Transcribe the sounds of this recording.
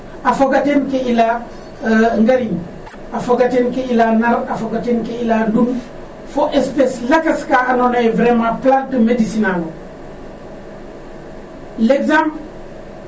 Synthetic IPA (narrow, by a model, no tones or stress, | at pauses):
afoɡatenkeila | ŋɡaɾin | afoɡatenkeilanaɾafoɡatenkeilandum | foʔespeslakaskaanonajvɾemaplantəmedisinalo | leɡzam